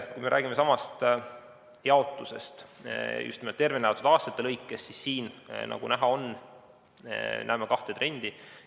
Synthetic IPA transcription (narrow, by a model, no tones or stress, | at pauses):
kujme̞ɾæ̰ːɡime̞sɑmɑst̪ | jɑo̞t̪ːˑuse̞̰st̪jṵst̪nimlt̪ːe̞rvinevɑt̪ːˑud̪ɑːst̪ɑt̪ːˑelɤjkːesːisːiːnnʔɑ̰ɡ̥unæɦɑo̞n | næ̰ːmekɑht̪e̞t̪re̞nʲd̪̥i